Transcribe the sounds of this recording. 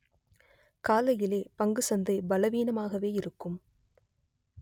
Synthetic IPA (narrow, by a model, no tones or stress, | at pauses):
kaːlɐjɪleːpɐŋɡɯsɐnd̪ɐɪbɐlɐʋiːnɐmaːɣɐʋeːɪɾɯkːɯm